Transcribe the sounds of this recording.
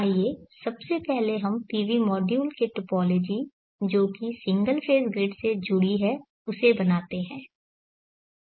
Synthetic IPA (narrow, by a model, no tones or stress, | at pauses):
aːieːsɐbsepɛɦleɦɐmʈiːʋimɔːɖjuːlkeʈʊpɔːloːd͡ʒi | d͡ʒoːkisɪ̃ŋɡəlpʰeːsɡɾɪɖsed͡ʒʊɽiɦɛ | ʊsebɐnaːt̪eɦɛ̃ː